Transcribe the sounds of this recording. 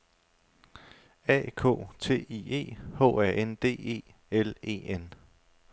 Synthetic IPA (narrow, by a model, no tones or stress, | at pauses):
ɛ̰ːkʰo̰̽ːt͡sʰe̝̰ːie̝̰ːho̰ːæɐ̰ʔend̥e̝̰ːe̝̰ː | ele̝̰ːen